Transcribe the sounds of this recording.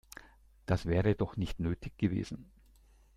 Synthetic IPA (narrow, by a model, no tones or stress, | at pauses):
d̥asv̥ɛːʁədɔχnɪçtnøːtʰɪçɡ̥əvḛːzn̩